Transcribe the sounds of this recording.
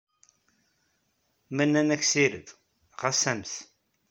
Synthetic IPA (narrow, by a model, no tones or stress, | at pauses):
mænːænæçsiɾə̰ð | ʁasæmθ